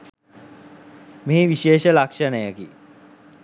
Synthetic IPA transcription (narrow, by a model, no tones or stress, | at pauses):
meːʋiʃeːʃəlakʂənəjəki